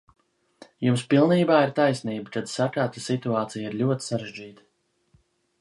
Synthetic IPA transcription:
jumspilˠniːbaːiɾt̪ajsniːbat̪ad̪sakaːt̪asit̪uaːt̪sijaiɾlʲuɔt̪i̥saɾeʒd͡ʒiːt̪ḁ

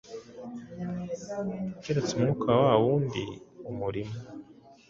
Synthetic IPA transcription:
ukeɾet͡semŋuːkʰawawuːndḭumuɾimo

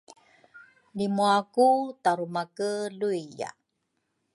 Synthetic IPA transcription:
limuakutaɾumakəluija̰

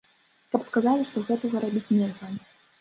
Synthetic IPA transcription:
kɐpskazalʲiʂt̪ɔɣɛt̪ɐzɐɾabʲit͡sʲnʲɛɣɐ

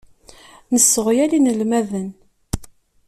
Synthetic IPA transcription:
nəsːəʁjælinəlmæðən

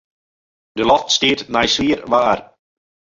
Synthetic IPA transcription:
d̪ɪlˠɔft̪st̪iːɾnajsviːɾvaaɾ

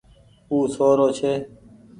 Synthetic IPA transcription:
uːsoːɾoːt͡ʃʰeː

